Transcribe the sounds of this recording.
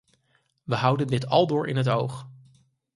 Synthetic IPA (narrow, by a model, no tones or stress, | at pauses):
ʋəɦʌwdəndɪtɑ̰lˠdʊːɹʔɪ̰nɦət̬owχ